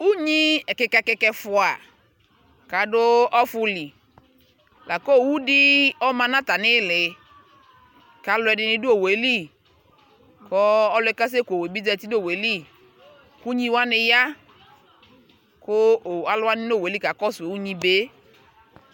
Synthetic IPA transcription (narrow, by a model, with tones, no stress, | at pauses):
u˦ɲi˦ɛ˨kɛ˨kɛ˨˧kɛ˨˧kɛ˧fʊ˨a˨ | ka˨dʊ˦ɔ˦fʊ˧li˨ | la˨ko˦˨wu˦dɪ˦ɔ˦mã˧nã˦ta˨nɪ˦lɪ˨ | ka˨˦lʊ˨˦ɛ˨dɪ˨nɪ˨dʊ˦o˨we˨˦li˦ | kʰɔ˦ɔ˦lʊ˨ɛ˨˦ka˦s̬e˦ko˨we˨bi˦dɛ˧˨ti˦do˦˨we˨˦li˦ | ku˦ɲĩ˦wa˦nɪ˧ja˦ | kʊ˦˨a˨lʊ˦wa˦nɪ˦no˦˨we˨li˦ka˨kɔ˦se˨wu˦ɲĩ˦be˦